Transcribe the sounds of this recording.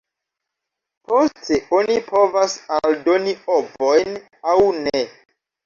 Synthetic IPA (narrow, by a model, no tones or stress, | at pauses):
posteonipʰo̞vasaldo̞niobojn | awne